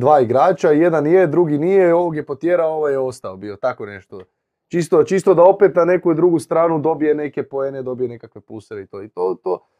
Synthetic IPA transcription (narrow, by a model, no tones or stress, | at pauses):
d̪ʋaːiɡɾaːt͡ʃaje̞d̪anjed̪ɾuɡinijeoʋoɡjepot̪jeɾao̞ʋajeo̞st̪aobio̞t̪ako̞ne̞ʃt̪o | t͡ʃist̪ot͡ʃist̪o̞d̪ao̞peːt̪nane̞kujud̪ɾuɡust̪ɾaːnud̪o̞bije̞ne̞ke̞poeːned̪o̞bije̞ne̞kakʋe̞puseɾeit̪oːit̪oːt̪oː